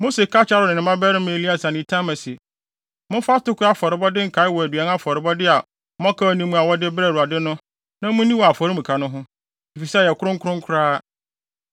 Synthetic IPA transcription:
mo˦se˨kʰa˦t͡ɕʰa˦ɾʊ˨nɪ̃˨nɪ̃˨mã˦bɛ˦ɾɪ˦m˦e˨li˦a˨sa˨nɪ̃˨tʰã˦mã˨sɪ˨e˨ | mʊ̃˦fa˦tʊ˦kʊ˦a˦fɔ˨ɾɪ˨bɔ˦dɪ˦ŋ̩˨kʰa˨˦ɪ˦wɔ˨æ˨dɥa˨˦n˦a˦fɔ˨ɾɪ˨bɔ˦dɪ˦a˨ | mɔ̃˦kʰa˦˨nĩ˦mũ˦a˨wɔ˦dɪ˦bɾa˦˨ɾu˨a˨dɪ˦nʊ̃˦ | nã˦mʊ̃˦nĩ˦wɔ˨a˨fɔ˨ɾi˦mũ˨kʰa˨nʊ̃˦ɦʊ̃˦ | i˨fi˨sɛ˦˨jɛ˨kʰʊ˦ɾʊ̃˦ŋ˦kʰʊ˦ɾʊ̃˦ŋkʰʊ˦ɾaː˦

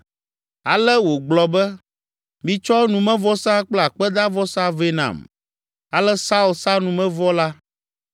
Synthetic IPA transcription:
a˨lɛ˦wo˨ɡ͡blɔ˨bɛ˦ | mĩ˦t͡ʃɔ˦nũ˨mɛ̃˦vɔ˦sa˦k͡plɛ˦a˨k͡pɛ˦d̪a˦vɔ˦sa˦ve˦nã̰˨m | a˨lɛ˦sa˦u˦lsa˦nũ˨mɛ̃˦vɔ˦la˦

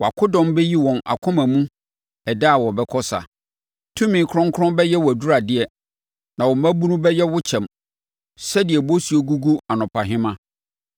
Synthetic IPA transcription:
wɔ˨a˨kʰʊ˦dɔ̃˦mbɛ˦ji˦wɔ̃˨na̰˨kʰʊ̃˦mã˨mũ˦ | ɛ˨da˦˨wɔ˨bɛ˦kʰɔ˦sa̰˨ | tʰũ˦mĩ˨˦kʰʊ˦ɾɔ̃˦ŋkʰʊ˦ɾɔ̃˦mbɛ˦jɛ˦wɔ˨æ˨du˦ɾa˨dɪ˦ɛ˨ | nã˨wɔ˨mæ̃˦bu˦nũ˦bɛ˦jɛ˦wʊ˦t͡ɕʰɛ̃˨m | sɛ˦dɪ˨ɛ˨bo˦su˨o˦ɡu˦ɡu˦a˨nʊ̃˨pʰa˨ɦɪ̃˦mã˦

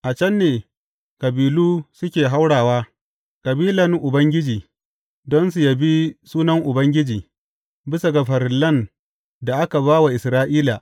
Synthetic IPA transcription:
ʔa˨t͡ʃɐ˦nːeː˨ | kɐ˨biː˨luː˦sʊ˦kʲeː˨ɦa˦wɽaː˨waː˦ | kɐ˨biː˦lɐ˨ŋʔʊ˨bɐ˦ŋɡʲɪ˦d͡ʒiː˨ | dɔ˦nsu˨ja˦bi˦suː˦nɐ˦ŋʔʊ˨bɐ˦ŋɡʲɪ˦d͡ʒiː˨ | bɪ˦sa˨ɡa˨ɸɐ˨ɾɪ˨lːɐ˦˨n | da˨ʔa˦ka˨βaː˦wa˨ʔɪ˨sɾaː˦ʔiː˦laː˨

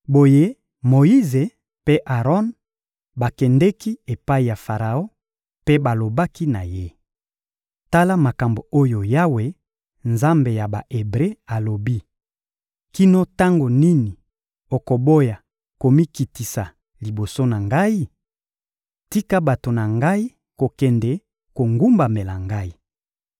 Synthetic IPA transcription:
bo˨je˦ | mo˨i˦ze˨ | pe˦ʔa˨ʁɔ˦n | ba˨kɛ˨ndɛ˦ki˦e˨pa˦i˨ja˨fa˨ʁa˨o˦ | pe˦ba˨lo˨ba˦ki˦na˨je˦ | ta˦la˦ma˨ka˨mbo˨o˦jo˨ja˦we˨˦ | nza˦mbe˨ja˨ba˨ʔe˨bʁe˦a˨lo˨bi˦ | ki˦no˦ta˦ŋɡo˨ni˦ni˨ | o˨ko˨bo˦ja˨ | ko˨mi˦ki˨ti˨sa˨ | li˨bo˨so˦na˨ŋɡa˦i˦ | ti˦ka˦ba˨to˨na˨ŋɡa˦i˦ | ko˨kɛ˨ndɛ˨ | ko˨ŋɡu˦mba˨me˨la˨ŋɡa˦i˦

